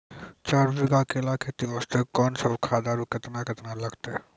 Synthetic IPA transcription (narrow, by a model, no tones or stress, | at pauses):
t͡ʃaːɾd͡ʒɪɡakeɪlaːkʰet̪iʋəst̪ekɔːnsɐbkʰaːd̪aːɾukɪt̪nakɪt̪nalɐɡt̪e